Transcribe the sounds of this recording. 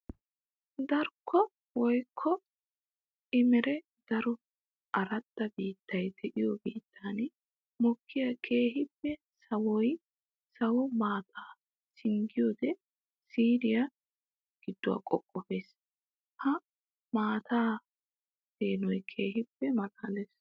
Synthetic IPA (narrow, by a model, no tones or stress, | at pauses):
d̪ɐɾkʰːɔ | wɔjkʰːɔ | ʔɪmɛɾɛ | d̪̥ɐɾɔ | ʔɐɾɐt̪ːɐbiːt̪ːɐjd̪ɛʔɪjɔbiːt̪ʰːan | mɔkʰːɪjɐkʰeːɦɪpːɛ | sɐwɔj | sɐwɔmaːt̪ʰaː | sɪŋɡɪjoːd̪ɛ | siːɾɪjɐ | ɡ̥ɪd̪ːʊwa̰ːkʼɔkʼːɔfe̞ːs | hɐ | maːt̪ʰaː | d̪̥eːnɔjkʰe̞ːɦɪpːɛmɐkʼaːles